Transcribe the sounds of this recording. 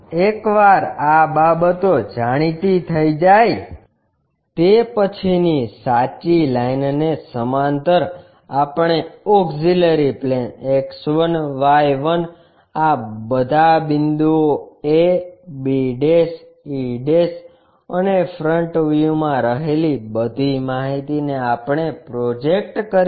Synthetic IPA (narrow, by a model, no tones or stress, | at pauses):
ekʋaɾababət̪od͡ʒaɽ̃it̪it̪ʰəid͡ʒaj | t̪epət͡ʃʰinisat͡ʃilajnnesəmant̪əɾ | apɳeɔɡziləɾipleneksʋənʋajʋən | abəd̪ʱabɪnd̪uoebiɖes | iɖes | ənefʰɾəɳʈʋjumãɾəɦelibəd̪ʱimaɦit̪ineapɳ̃epɾod͡ʒek̚ʈkəɾ